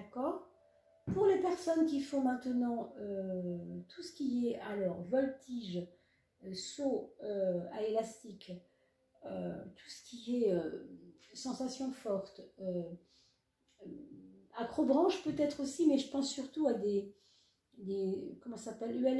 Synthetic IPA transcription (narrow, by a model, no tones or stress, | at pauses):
kɔːʁ | puʁlepɛʁsɔnkʲifɔ̃mɛ̃t̪ənɑ̃ø | t̪ʰusə̥kʲiɛʔalɔʁvɔlt̪ʰiʒ | soøaelast̪ik | øt̪ʰu̥sə̥kʲiɛø | sɑ̃sasjɔ̃fɔʁt̪ø | akχobʁɑ̃ʃpøt̪ɛt̪χosimɛʒəpɑ̃sːyʁt̪uad̪e | d̪ekɔmɑ̃sapɛløɛl